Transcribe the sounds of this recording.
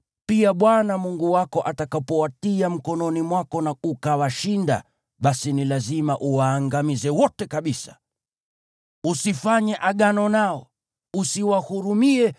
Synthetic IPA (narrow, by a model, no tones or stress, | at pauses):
piaɓwanamuŋɡuwakɔʔatakapɔwatiam̩kɔnɔnimwakɔnaukawaʃinda̰ | ɓasinilazimaʔuwaːŋɡamizɛwɔtɛkaɓisḁ | usifaɲɛʔaɠanɔnaɔ | usiwahuɾumiɛ